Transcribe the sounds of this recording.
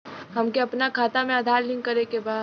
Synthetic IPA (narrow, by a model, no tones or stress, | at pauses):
ɦɐmkeɐpnakʰaːt̪amẽɐd̪ʱaːɾlɪ̃ŋkɐɾekebaː